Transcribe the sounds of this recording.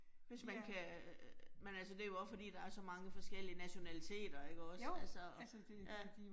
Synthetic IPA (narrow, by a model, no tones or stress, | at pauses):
ʋe̝smænkʰæ | menælsəd̥e̝æjo̝ɒ̽sfɒ̽d̥ḭːd̥ɑ̈æɐsɒ̽mɑ̈ŋəfɒ̽sɡ̥el̰iənæɕo̝nælit͡sʰe̝̰ːd̥ɐe̝ɡ̥əɒ̽sælsɒɒ̥ | jæ̥